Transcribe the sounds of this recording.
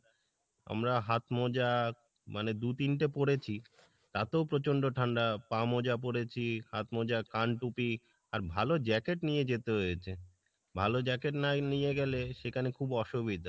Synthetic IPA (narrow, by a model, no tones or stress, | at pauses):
a̰mɾaɦat̪mɔd͡ʑa | maned̪ut̪inʈepoɽet͡ɕʰi | t̪at̪eopɾot͡ɕoɳɖoʈʰaɳɖapamɔd͡ʑap̬oɽet͡ɕʰihat̪mɔd͡ʑakaɳʈupi | aɾbʱalod͡ʑɛkeʈnijed͡ʑet̪eɦojet͡ɕʰe | bʱalod͡ʑɛkeʈnanijeɡɛleʃekʰanekʰubɔʃubid̪ʱa